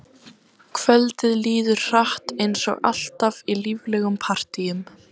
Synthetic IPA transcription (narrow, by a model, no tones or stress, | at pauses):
kʰvœlt̪ɪðliːðʏɾ̥r̥aht̪ejnsɔ̰ɣa̰l̥t̪avilivlɛɣʏmpʰar̥t̪ijʏm